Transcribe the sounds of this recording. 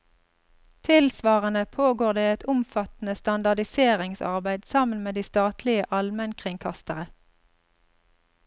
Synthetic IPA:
t̪ʰɪlsʋɑːʁənəpʰoːɡoːʁd̪eːɛt̪ʰʊmfɑt̪n̩əst̪ɑnd̪ɑd̪ɪseːʁɪŋsɑ̰ʁbæɪd̪sɑmənmeːd̪iːst̪ɑːt̪ʰlɪəʔɑlmənkʰʁɪŋkʰɑst̪əʁə

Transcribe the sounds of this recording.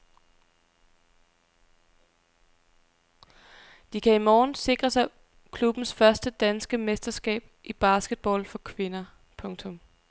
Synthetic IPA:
d̥ikʰæimɒːnse̝ɡ̥ʁɐsɑɪ | kʰlub̥n̩sfɶɐsd̥əd̥ænsɡ̥əmesd̥ɐsɡ̥ɛ̰ːb̥ʔib̥ɑ̈sɡ̥əd̥̚b̥ɒ̰ːlfɒ̽kʰʋe̝nɐ | pʰɔ̽ŋt͡sʰɔ̽m

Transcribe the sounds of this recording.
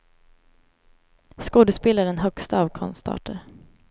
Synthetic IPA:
skoːd̪əspeːlaɖɛnɦœkst̪aːvkʰɔ̰nst̪ʰɑ̰ːʈəɾ

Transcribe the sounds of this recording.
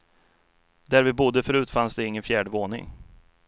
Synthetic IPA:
d̪æɾvɪbʊd̪ːəfœɾʉ̟ːt̪fansd̪ɛɪŋːənfjæːɖəvoːnɪ̰ŋ

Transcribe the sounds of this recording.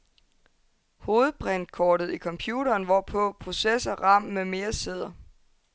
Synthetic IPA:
hoːð̞̩ˠb̥ʁɛn̰̥̚kʰɒːɾ̥ð̞̩ˠikʰɒ̽mpʰjuːɾɐːnʋɒpʰɔ̽pʰʁo̝sesɐʁɑ̈m̰meme̝ːɐse̝ð̞̰ˠɐ

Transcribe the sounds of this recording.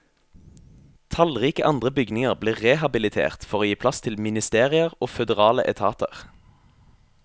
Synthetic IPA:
t̪ʰɑlʁiːkəʔɑnd̪ʁəbʏɡnɪŋəʁbleːʁɛhɑbɪlɪt̪ʰḛːʁt̪fɔʁoːjiːpʰlɑst̪ʰɪlmɪnɪst̪eːʁɪəʁoːfœd̪ɛʁɑːlə̰ʔɛt̪ʰɑːt̪ə̰ʁ

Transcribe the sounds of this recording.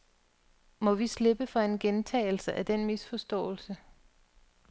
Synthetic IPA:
mɒ̽ʋisle̝b̥əfɒe̝nɡ̥ent͡sʰɛ̰ɪl̩səʔæd̥enmisfɒ̽sd̥ɔ̰̽ːl̩sə

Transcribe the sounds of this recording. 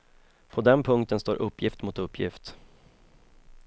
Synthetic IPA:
pʰɔd̪ɛnpʰɵŋkt̪ənst̪oːɾʔɵpːjɪft̪mʊt̪ɵpːjɪ̰ft̪

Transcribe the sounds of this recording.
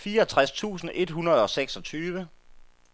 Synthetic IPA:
fiːɐɒ̽t͡sʰʁast͡sʰṵːsn̩e̝d̥ɦunɐð̞̩ˠɒ̽seɡ̥sɒ̽t͡sʰyːʋə

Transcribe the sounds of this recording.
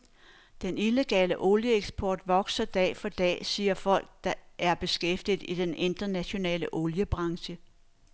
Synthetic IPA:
d̥enile̝ɡ̥ɛ̰ːləʔo̝ljəeɡ̥sb̥ɒ̰ːd̥ʋɒ̽ɡ̥sɐd̥ɛ̰ːfɒ̽d̥ɛ̰ːsiːɐfɒ̽l̰ɡ̥̚d̥ɑ̈ʔæɐb̥e̝sɡ̥efd̥ið̩ˠid̥ene̝nd̥ɐnæɕo̝nɛ̰ːləʔo̝ljəb̥ʁɑ̈ŋɕə

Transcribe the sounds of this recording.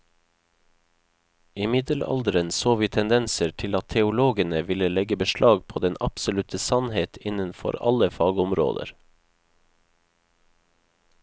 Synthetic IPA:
ɪmɪd̪əlɑ̰ld̪əɾənsoːʋiːt̪ʰɛnd̪ɛnsəɾtʰɪlɑt̪t̪ʰɛʊloːɡənəʋɪləlɛɡəbəʃɭʔɑːɡ̚pʰoːd̪ɛnʔɑpsʊlʉt̪ʰəsɑnheːt̪ʰɪnənfɔ̰ɾɑ̰ləfɑːɡʊmɾo̰ːd̪ə̰ɾ

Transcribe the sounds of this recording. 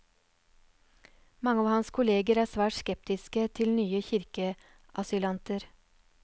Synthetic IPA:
mɑŋəɑːʋhɑnskʰʊleːɡəɾæːsʋæːʈskɛp̚t̪ɪskət̪ʰɪlnyːəçɪɾkə | ʔɑsʏlɑnt̪əɾ

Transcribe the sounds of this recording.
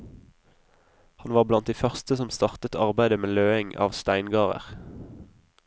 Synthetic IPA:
hɑnʋɑːʁblɑnt̪d̪iːfœʁst̪əsɔmst̪ɑʁt̪ət̪ɑʁbæɪd̪əmeːløːɪŋɑ̰ːʋst̪æɪnɡɑːʁə̰ʁ

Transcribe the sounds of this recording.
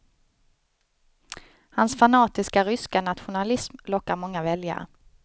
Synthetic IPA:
hansfanɑːt̪ɪskaɾʏskanat̪ɧʊnalɪsmlɔkːaɾmɔŋːavɛlja̰ɾə̰

